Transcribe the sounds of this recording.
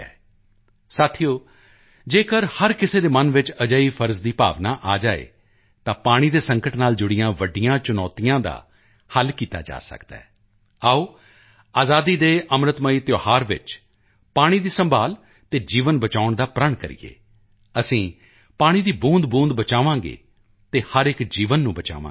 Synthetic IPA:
ɛ̰ː | saːt̪ʰijoː | d͡ʒeːkəɾhəɾkɪseːd̪eːmənʋɪt͡ʃəd͡ʒəiːpʰəɾzd̪iːpa̰ːʋnaːʔaːd͡ʒaːḛː | t̪ãːpaːɽ̃iːd̪eːsəŋkəʈnaːld͡ʒʊɽɪjãːʋəɖɪjãːt͡ʃʊnɔːt̪ijãːd̪a̰ː | həlkiːt̪a̰ːd͡ʒa̰ːsə̰kd̪a̰ː | aːoː | aːzaːd̪iːd̪eːʔəmɾət̪məiːt̪joːhaːɾʋɪ̰t͡ʃ | paːɽ̃iːd̪iːsə̃mbʱaːl | t̪eːd͡ʒiːʋənbət͡ʃaːʊɳd̪aːpɾəɳkə̰ɾḭːḛː | əsĩː | paːɽ̃iːd̪iːbũːnd̪bũːnd̪bət͡ʃaːʋãːɡḛː | t̪eːhəɾɪkd͡ʒiːʋənːũːbət͡ʃa̰ːʋã̰ː

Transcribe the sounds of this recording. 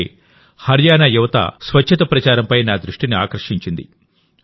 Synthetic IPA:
hɐɾjaːnɐjuʋɐt̪ɐ̰sʋɐt͡ʃt͡ʃʰːɐt̪ɐpɾɐt͡ʃaːɾɐmpɐjnaːd̪ɾuʂʈinia̰ːkɾɐʂiɲt͡ʃind̪ḭ

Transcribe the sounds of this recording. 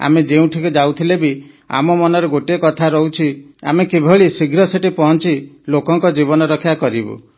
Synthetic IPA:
a̰med͡ʒeũʈʰikud͡ʒawt̪ʰilebi | a̰mɔmɔnɔɾeɡoʈekɔt̪ʰaɾɔwt͡ʃʰia̰mekibʱɔɭisiɡʱɾɔseʈipɔɦɔnt͡ʃilokɔŋkɔd͡ʒibɔnɔɾɔkʰijakɔɾibṵ

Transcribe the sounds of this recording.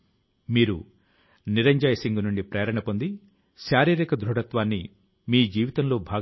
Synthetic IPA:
miːɾu | niɾɐɲd͡ʒɐːjɐsiŋɡunuɳɖipɾeːɐɾɐɳɐpo̞nd̪i | ʃaːɾiːɾikɐd̪ɾuɽɐt̪ʋaːnːi | miːd͡ʒiːʋit̪ɐnlo̞ːbʱaː

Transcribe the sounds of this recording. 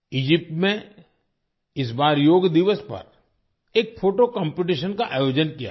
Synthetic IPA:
iːd͡ʒɪp̚ʈmẽ | ɪs̬baːɾjoːɡd̪ɪʋəspɐ̰ɾ | eːk̚fʰoːʈokə̃mpɪʈ̬iʃənkaʔaːjoːd͡ʒənkija̰

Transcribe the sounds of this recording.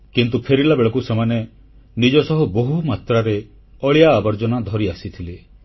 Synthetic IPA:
kint̪upʰeɾilabeɭɔkusemane | nid͡ʒɔsɔɦuboɦumat̪ɾaɾe | ɔɭijaːbɔɾd͡ʒɔnad̪ʱɔɾiasit̪ʰile

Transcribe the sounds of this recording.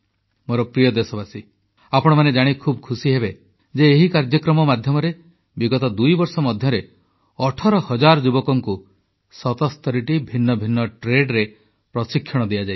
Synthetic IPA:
moɾɔpɾijɔd̪esɔbasi | apɔɽ̃ɔmaned͡ʒaɽ̃ikʰubɔkʰusiɦebe | d͡ʒeːɦikaɾd͡ʒjɔkɾɔmɔmad̪ʱjɔmɔɾe | biɡɔt̪ɔd̪ujbɔɾsɔmɔd̪ʱjɔɾe | ɔʈʰɔɾɔhɔd͡ʒaɾɔd͡ʒubɔkɔŋku | sɔt̪ɔst̪ɔɾiʈibʱinːɔbʱinːɔʈɾeɖɾe | pɾɔsikʰːjɔɽ̃ɔd̪ijad͡ʒaj

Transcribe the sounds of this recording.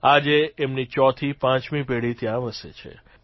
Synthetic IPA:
ad͡ʒeːmnit͡ʃɔt̪ʰipãt͡ʃmipeɽit̪jãʋəsḛt͡ʃʰḛ

